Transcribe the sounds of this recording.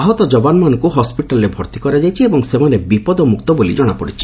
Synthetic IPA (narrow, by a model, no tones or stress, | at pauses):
ɦɔt̪ɔd͡ʒɔbanɔmanɔkuɦɔspiʈalɔɾebʱɔɾt̪ikɔɾad͡ʒajt͡ʃʰiebɔŋsemanebipɔd̪ɔmukt̪ɔbolḭd͡ʒɔɽ̃apɔɽit͡ʃʰi̥